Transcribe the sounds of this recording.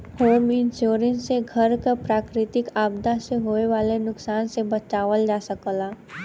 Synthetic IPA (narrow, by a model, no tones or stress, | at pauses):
hoːmɪ̃nsoːɾɪ̃nseɡʱəɾkapɾaːkɾɪt̪ɪkaːb̚d̪aseɦoːeʋaːlenʊksaːnsebɐt͡ʃaːʋəld͡ʒaːsəkəlaː